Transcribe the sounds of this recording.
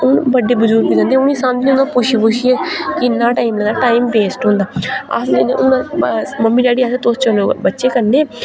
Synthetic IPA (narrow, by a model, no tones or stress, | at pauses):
ʊnbəɖːeːbʊd͡ʒʊɾkbiːd̪ãnd̪eːʊnĩːsãːnd̪ĩːnãːpʊʃʰipʊʃiɛːkɪnːãːʈaːimlɛ̃ːnd̪aːʈaːimbeːsʈɦõːnd̪aːa̰sẽeʊãməmːiːɖaːɽiːaːseːt̪oːst͡ʃəlõːbətːʃeːkəɾneː